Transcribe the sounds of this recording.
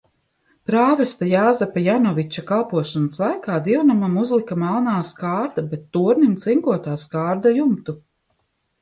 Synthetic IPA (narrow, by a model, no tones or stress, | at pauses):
pɾaːvɛst̪ajaːzɛpajanɔvit͡ʃakalˠpuɔʃɔnaslˠajkaːd̪iwnamamuzlˠikamalˠnaːskaːɾd̪abɛt̪ːuːɾnimt̪siŋkuɔt̪aːskaːɾd̪ajumt̪u